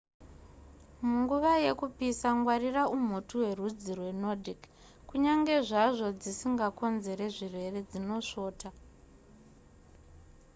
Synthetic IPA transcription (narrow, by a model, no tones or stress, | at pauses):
muŋɡuʋaje̞kupisaŋɡwariraum̤utuwe̞rud͡zirwe̞no̞dʱik | kuɲaŋɡe̞ʐaʐo̞d͡zisiŋɡako̞nze̞ɾe̞ʐirwe̞re̞d͡zino̞ʂo̞ːta